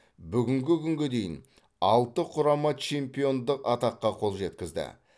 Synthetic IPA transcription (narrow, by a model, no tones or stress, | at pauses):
bʏɡʲɪŋɡʲɪkʲʰʏŋɡʲed̪e̞jɪn | ɑlˠt̪əqʰʊɾɑmɑt͡ʃʰe̞mpijo̞nd̪əqɑt̪ɑqːɑqʰo̞lˠʒe̞t̪̚kʲɪzd̪ɪ̰